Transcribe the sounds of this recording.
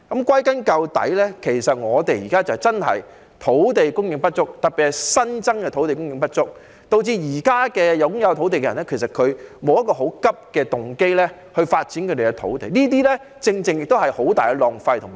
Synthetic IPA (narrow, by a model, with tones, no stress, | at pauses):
kɐ˨˥mkwɐ˥jkɐ˥nkɐ˧wt̪ɐ̰˨˥jlɛː˥kʰe˨˩jsɐ˨t̚ŋɔː˨˧t̪̬e˨jiː˨˩kaː˥t͡sɐ˨˩˨t͡sɐ˥nɦɐ̰˨˩j | t̪ʰo˨˥wt̪e˨jkʊ˥ŋjɪ˧ŋpɐ˥t̚t͡ʃʊ˥k̚t̪ɐ˨pi˨t̚hɐ˨˩jsɐ˥nt͡sɐ˥ŋkɛː˧t̪ʰo˨˥wt̪e˨jkʊ˥ŋjɪ˧ŋpɐ˥t̚t͡sʊ˥k̚ | t̪o˧wt͡siː˧jiː˨˩kaː˥kɛː˧jɐ˨˧wkʊ˥ŋjɐ˨˧wt̪ʰo˨˥wt̪e˨jkɛ˧ɐ˨˩nɛ˥kʰe˨˩js̬ɐ˨˩t̚kʰɵ˨˧ɥmo˨˧wjɐ˥kɔː˧ɦo˨˥wkɐ˥p̚kɛː˧t̪ʊ˨ŋke˥jlɛ˥ | hɵ˧ɥfaː˧t̚t͡siː˨˥nkʰɵ˧t̪e˨˩kɛ˧t̪ʰo̰˨˥wt̪e˨jniː˥t̪̬iː˥lɛ˥ | t͡sɪ˧ŋt͡sɪ˧ŋjɪ˨k̚t̪o˥wɦɐ˨jho˨˥wt̪aː˨jkɛ˧lɔː˨˩ŋfɐ˧jt̪ʰʊ˨˩